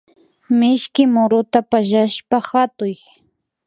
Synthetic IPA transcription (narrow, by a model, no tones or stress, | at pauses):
mɪʃkɪmʊɾʊt̪apaʒaʃpaxat̪ʊj